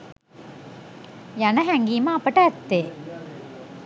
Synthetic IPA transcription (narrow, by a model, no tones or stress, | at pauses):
janəɦæŋɡiːməapəʈəæt̪ːe